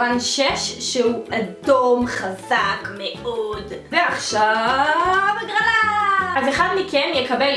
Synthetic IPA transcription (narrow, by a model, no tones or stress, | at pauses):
anʃeʃʃeuʔadomχazakmeʔodveaχʃavvɡʁalaazeχadmikɛnjekabel